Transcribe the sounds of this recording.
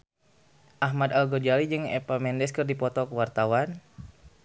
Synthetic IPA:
ʔaɦmad̪alɡɔd͡ʒalid͡ʒɨŋɛ̰pamɛndɛskərdipɔt̪ɔkəwart̪awan

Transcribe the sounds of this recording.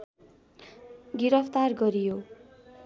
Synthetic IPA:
ɡiɾʌpʰt̪arɡʌɾijo

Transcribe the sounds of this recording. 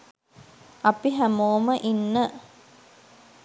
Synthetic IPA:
ɐpiɦæmoːməʔinːə

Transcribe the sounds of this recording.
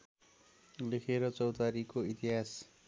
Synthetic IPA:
lekʰeɾʌt͡sʌwt̪aɾikoit̪iɦas

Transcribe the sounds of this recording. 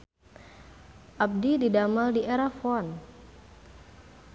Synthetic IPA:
ʔap̚dididamaldiʔeɾafɔn

